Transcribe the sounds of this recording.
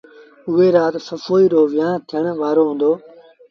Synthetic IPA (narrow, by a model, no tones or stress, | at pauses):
ʊɦeːɾaːt̪səfoːiːɾoːʋɪjãːnt̪ʰɪjəɳ̃ʋaːɾoːɦʊ̃ːnd̪oː